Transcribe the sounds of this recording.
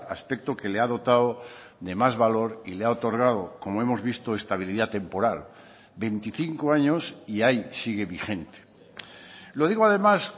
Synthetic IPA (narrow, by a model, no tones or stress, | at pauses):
aspe̞k̚t̪o̞ke̞leaðo̞t̪ao | ðe̞mazβalo̞ɾileaot̪o̞ɾɣ̞aðoko̞moe̞mo̞zβist̪oe̞st̪aβ̞iliðat̪e̞mpo̞ɾal | be̞nt̪iθiŋkoaɲo̞siajsiɣ̞e̞βixe̞nt̪e̥ | lo̞ð̞iɣ̞oaðe̞mas